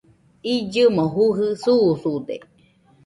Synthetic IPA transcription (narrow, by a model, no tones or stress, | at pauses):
id͡ʒɨmoɦuɦɯsuːsud̪ḛ